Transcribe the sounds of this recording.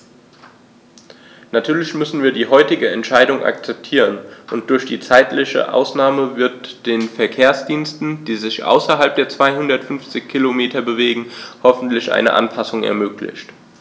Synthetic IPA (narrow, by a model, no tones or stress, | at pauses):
natʰyːɐlɪçmʏsn̩viːɐdiːɦɔʏtɪɡəɛntʃaɪdʊŋʔa̰k̚t͡sɛp̚tʰiːʁənʔʊnt̚d̥ʊɐçd̥iːt͡saɪtlɪçə̰ʔa̰ʊsnaːməvɪɐtd̥eːnfɛɐkʰeːɐsd̥iːnstn̩d̥iːzɪçʔa̰ʊsɐɦalp̚d̥eːɐt͡sv̥aɪɦʊndɐtfʏnft͡sɪçkʰilomeːtʰɐbəveːɡŋ̩hɔfn̩tlɪçʔa̰ɪnə̰ʔa̰npʰasʊŋɛ̰ɐmøːklɪ̰çt